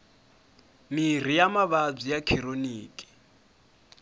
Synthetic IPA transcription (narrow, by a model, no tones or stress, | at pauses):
mir̤ijamaβab͡ʐijakʰiɾoniːkʼi̥